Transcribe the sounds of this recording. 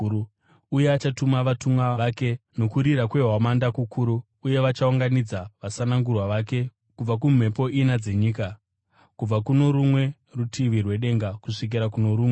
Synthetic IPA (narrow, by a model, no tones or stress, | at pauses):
uje̞at͡ʃatumaʋatumwaʋake̞no̞kuɾiɾakwe̞ɦamandakukʰuɾuː | je̞ʋat͡ʃauŋɡanid͡zaʋasanaŋɡurwaʋake̞ | kub͡vak̬um̤e̞po̞ʔinad͡ze̞ɲiːka | kub͡vakuno̞ɾumwe̞ | rutʰiʋirwe̞ɗe̞ŋɡakuʂik̬iɾakuno̞ɾuːmwe